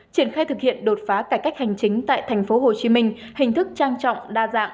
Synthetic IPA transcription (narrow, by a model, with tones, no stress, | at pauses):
t͡ɕi˧˩ənxaː˧jt̪ʰɨ˨˩k̚hḭ˧˨ənɗo˨˩t̚faː˨˦kaː˧˩jka˦˥k̚ha˨˩jŋ̟t͡ɕï˨˦ŋ̟t̪a̰ː˧˨jt̪ʰɛ˨˩jŋ̟fo˨˦ɦo˨˩t͡ɕi˨˦mï˧ŋ̟ | hï˨˩ŋ̟t̪ʰɨ˦˥k̚t͡ɕaː˧ŋt͡ɕɔ̰˧˨wŋ͡mɗaː˧za̰ː˧˨ŋ